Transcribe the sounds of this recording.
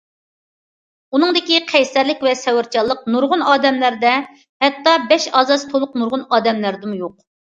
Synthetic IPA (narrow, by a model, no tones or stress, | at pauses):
un̪ɨŋd̪ɪkʲiqʰɛjsæɾlɪkʲvɛsɛwɪɾt͡ʃʰɑlˠːəqnuɾʁʊnɑːd̪ɛmlæɾd̪ɛ | hɛt̪ːɑbɛʃɑːzɑst̪ʰolˠʊqnuɾʁʊnɑːd̪ɛmlæɾd̪ɪmjoq̚